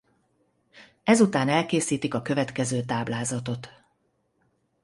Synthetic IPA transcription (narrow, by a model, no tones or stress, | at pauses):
ɛzut̪aːnɛlkeːsiːt̪ikɒkø̞vɛt̪kɛzøːt̪aːblaːzɒt̪o̞t̪